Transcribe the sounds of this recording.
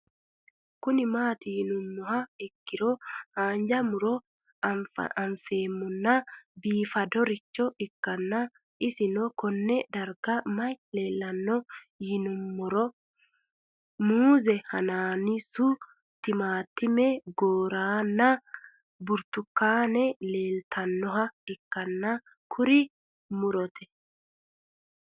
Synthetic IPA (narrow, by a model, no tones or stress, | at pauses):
kʊnɪmaːt̪ɪhɪnʊmːɔhɐɛkːɪɾɔhaːnd͡ʒɐmʊɾɔ̰ | ɐɱfeːmːʊnːɐbiːfɐd̪ɔɾɪt͡ʃːɔɪkːɐnːɐ | ɪsɪnɔkɔnːɛd̪ɐɾɡɐmɐjleːlːɐnːɔ | hɪnʊmːʊɾɔ | muːzɛhɐnaːnɪsʊ | t̪ɪmaːt̪ːɪmɛɡoːɾaːnːɐ | bʊɾt̪ʊkːaːnɛle̞ːlt̪ʰɐnːɔɦɐɪkːɐnːɐ | kʰʊɾɪ | mʊɾɔt̪ʰɛ̥